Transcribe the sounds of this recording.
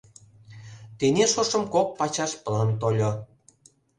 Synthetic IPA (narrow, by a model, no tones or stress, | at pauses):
t̪enʲeʃoʃɤ̆mkok̚pɑt͡ɕɑʃpə̆lɑnt̪olʲo